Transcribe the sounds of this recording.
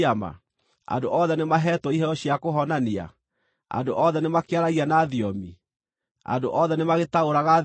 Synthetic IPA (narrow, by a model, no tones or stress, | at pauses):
ama̰ | a̰ndoʔɔðɛnemaɦɛtɔiɦɛɾɔɕiakoɦɔnania̰ | a̰ndoʔɔðɛnemakeaɾaɣianaːðiɔmi | a̰ndoʔɔðɛnemaɣetaoɾaɣa